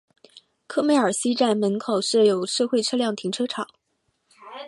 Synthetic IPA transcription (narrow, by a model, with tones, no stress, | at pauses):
kʰɤ˥˧me˥˩ɪə˞˨˩si˥ʈ͡ʂa˥˩nmə˧˥nkʰo˨˩ʊʂɻ̩˥˩jo˨˩ʊʂɤ˥˧xwe˥˩ɪʈ͡ʂʰɤ˥ljɑ˥˩ŋt̪ʰi˧˥ŋʈ͡ʂʰɤ˥ʈ͡ʂʰɑ˨˩˦